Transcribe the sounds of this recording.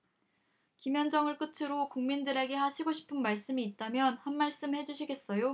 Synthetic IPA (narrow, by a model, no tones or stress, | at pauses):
kimjʌnd͡ʑʌŋɯɭk͈ɯtʰɯɾokuŋmindɯɾe̞ɡe̞haɕʰiɡoɕʰi̥pʰɯnmaɭs͈ɯmiːt̚t͈amjʌnhanmaɭs͈ɯmhe̞d͡ʑuɕʰiɡe̞s͈ʌjo